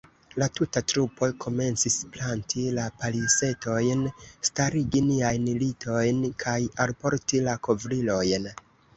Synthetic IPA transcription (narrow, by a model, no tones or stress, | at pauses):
latutatɾupo̞kʰo̞me̞nt͡sisplantʰilapalise̞to̞jnstaɾiɡiniajnlitʰo̞jnkʰajalpo̞ɾtilako̞vɾilo̞jn